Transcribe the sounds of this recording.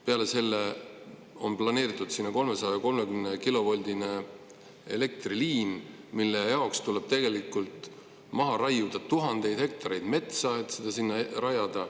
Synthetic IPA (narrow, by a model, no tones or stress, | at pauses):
pe̞ɑle̞se̞lːe | o̞nplɑne̞ːɾit̪ːˑud̪̥sinːɑko̞lme̞sɑjɑɑko̞lme̞kymnekilo̞vo̞lʲd̪ine̞ | ele̞k̚t̪riliːn | milːe̞jɑo̞kst̪ule̞b̥t̪e̞ɡ̥e̞likːˑult̪ | mɑɦɑɾɑjud̪̥ɑt̪ːuɦɑnd̪̥e̞jd̪̥hek̚t̪ɑɾe̞jd̪̥me̞t̪sɑet̪ˑsed̪̥ɑsinːɑrɑjɑd̪ɑ